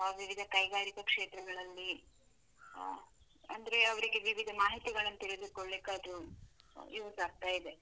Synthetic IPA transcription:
ʋiʋid̪ʱɐkɐjɡaːɾikɐkʂeːt̪ɾɐɡɐɭɐlːi | ɐ̰nd̪ɐɾe̞ɐʋɐɾiɡe̞ʋiʋid̪ʱɐmaːɦit̪iɡɐɭɐnːɐt̪iɾed̪ikoɭːeːkːaːd̪ɾu | jiʋɐsaːɡ̚t̪aːjid̪e̞

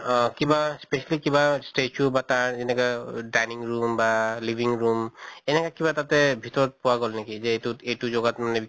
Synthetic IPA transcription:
kibaspesalikibasʈet͡ʃʰubat̪aɹzenɛkadajniŋɹumbalibʱiŋɹumenɛkakibat̪at̪ɛbʱit̪ɔɹɔt̚puwaɡɔlnekizeetuejtuzoɡatmanɛ

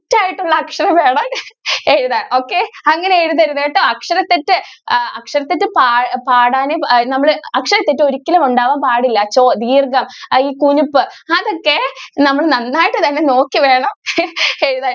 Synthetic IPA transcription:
tːaːjiʈːuɭːɐːkʂɐrɐmʋe̞ːɳɐneːɾuðaːo̞ːkːeɐŋːɐneeɽuðɐɾuðaːjiʈːɨɐkʂɐɾɐt̪ːetːɨɐkʂɐɾɐt̪ːitːɨpaːpaːɽaːnenɐmːɐɭɐkʂɐɾɐt̪ːitːɨo̞ɾikʲːɐlɐmuɳɖaːʋaːmpaːɽilːɐt͡ɕoːd̪iːrɡɐmiːkuɲupːɨɐðo̞kːe̞nɐmːɐɭnɐnːaːjiʈːɨt̪ɐnːe̞no̞ːkːiʋe̞ːɳɐmeɾuðaː

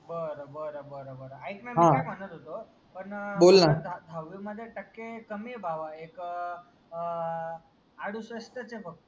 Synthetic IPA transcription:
bəɾobəɾbəɾobəɾaikmamɦãemanəɾot̪o | pəɳbolnad̪ʱaʋomat̪eʈəkːekəmebʱaʋaek | aɽũsʋəsʈ̪ət͡ʃʰebʱək̚t̪u

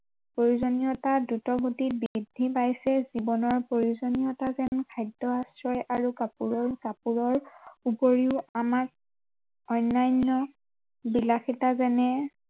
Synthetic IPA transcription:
pɹoɹuzonijɔtadutɔɡʱutibidʱːipajsɛzibɔnɔɹpɹoɹiuzonijɔtazɛnkʰajdɔasɹɔjʔaɹukapuɹɔɹkapuɹɔɹupoɹiʊamak̚ | ɔjnːajnːɔ | bilaxitazɛnɛ

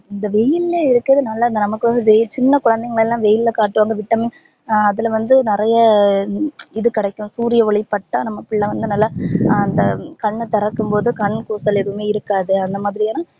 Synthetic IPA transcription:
ɪnd̪ɐʋɛjɪlːeːɪɾɯkːɾɐðɯnɐlːɐɐnd̪ɐnɐmɐkːɯʋɐnd̪ɯʋɛt͡ʃɪnːɐkʊɻɐnd̪ɐŋɡɐɭɛlːãːʋɛjɪllɐkaːʈːɯʋaːŋɡɐʋɪʈːɐmɪ | ɐðɪlʋɐnd̪ɯnɪɾɐjɐ | ɪðɯkɪɽɐɪkːʊ̃suːɾɪjɐʋɐɭɪpːɐʈːaːnɐmːɐpɪɭːɐʋɐnd̪ɯnɐlːaːnd̪ɐkɐɳːt̪ɛɾɐkːɯmpoːðɯkɐɳːkoːsɐlɪɾɯɯmeːɪɾɯkːaːðɯɐnd̪ɐmaːðɪɾɪjaːnãː

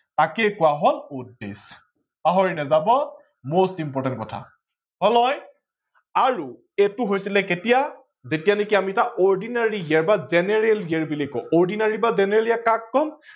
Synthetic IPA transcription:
takɛkʊwaɦɔludḛs | paɦoɹinɛzabɔ | mostimpɔɹtɛntkɔtʰa̰ | ɦɔlɔj | aɹu | etʊɦojsilɛketija | zetijanekiamiɛtaʔɔɹdinaɹiɛɹbazɛnɛɹɛliɛɹbilikːɔ̰ɔɹdinaɹibazɛnɛɹɛliakakːɔm

